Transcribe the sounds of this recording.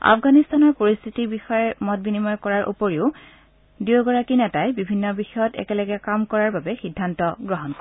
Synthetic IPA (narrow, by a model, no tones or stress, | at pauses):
a̰fʰɡanistanɔɹpoɹist̪ʰitibixɔjɛmɔt̚binimɔjkɔɹaɹʔṵpoɹiʊ | dioɡɔɹakinɛtajbibʱinːɔbixɔjɔtɛ̰kɛlɔɡɛkamkɔɹaɹbabɛxidʱːantɔɡɹɔɦɔnkɔ